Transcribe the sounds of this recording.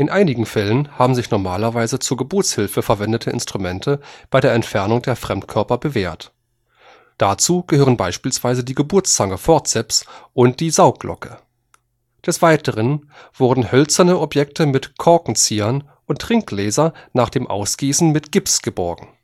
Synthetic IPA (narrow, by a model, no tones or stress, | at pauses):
ʔɪnʔaɪnɪɡŋ̩fɛlənhaːbm̩zɪçnɔɐmaːlɐvaɪzət͡suːɐɡəbʊɐt͡shɪlfəfɛɐvɛndətʰəɪ̰nstʁ̥umɛntʰəb̥aɪɾeːɐɛntfɛɐnʊŋdeːɐfʁ̥ɛmtkʰœɐpɐbəveːɐt | d̥at͡suːɡ̥əhøːʁənbaɪʃpiːlsv̥aɪzədiːɡəbʊɐt͡st͡saŋəfɔɐt͡sɛpsʔʊnt̚d̥iːzaʊk̚ɡ̥lʔɔ̰kʰə | d̥ɛsv̥aɪtʰəʁ̞ən | v̥ʊɐdn̩hœlt͡sɐnəʔɔpjɛktʰəmɪtkʰɔɐkŋ̩t͡siːɐn | ʔʊntːʁ̥ɪŋklɛːzɐnaːχd̥eːmʔa̰ʊsɡ̥iːsn̩mɪtɡ̥ɪpsɡ̥əbɔɐɡŋ̩